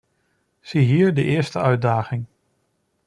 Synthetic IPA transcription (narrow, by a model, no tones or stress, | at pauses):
z̥iɦiːɹdəʔɪːɹstəœɥt̚daːχɪŋ